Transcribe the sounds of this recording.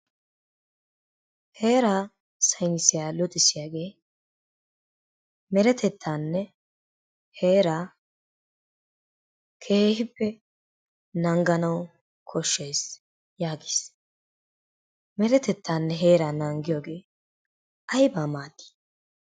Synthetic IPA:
he̞ːɾaː | sɐjnɪsɪjaːlʊt̪ʼɪsɪjaːɡe̞ː | mɛɾɛt̪ʰɛt̪ʰːaːnːɛ | he̞ːɾaː | kʰe̞ːhɪpːɛ | nɐŋɡɐnɐw | kʰɔʃːejs | jaːɡɪ̥s | mɛɾɛt̪ɛt̪ːaːnːɛɦe̞ːɾaːnɐŋɡɪjoːɡe̞ː | ʔɐjbaːmaːt̪ːi̥

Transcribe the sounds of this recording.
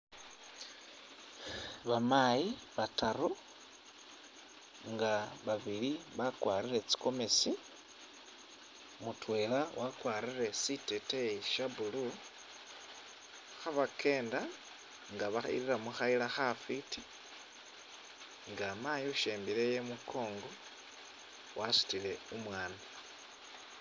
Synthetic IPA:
βamajiβataɾu | ŋɡaβaβiliβakwaːɾiɾe̞t͡si̥ko̞me̞si | mutʰwe̞lawʔakwaːɾire̞siteteiʃabulu | xaβakʰe̞ːnda | ŋɡaβaḭɾiɾamuxailaxafiti̥ | ŋɡamajoʃeːmbile̞jemukʰo̞ːŋɡo | wʔasu̥tile̞umwaːna

